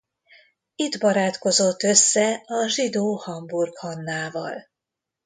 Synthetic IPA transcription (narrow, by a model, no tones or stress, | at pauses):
id̪bɒɾaːt̪ko̞zo̞t̪ːø̞sːɛɒʒid̪oːhɒmburkhɒnːaːvɒ̰l